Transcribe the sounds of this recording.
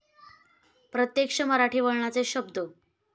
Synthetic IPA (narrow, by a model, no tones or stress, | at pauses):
pɾət̪jekʂəməɾaʈʰiːʋəɭɳat͡seɕəbd̪ʱo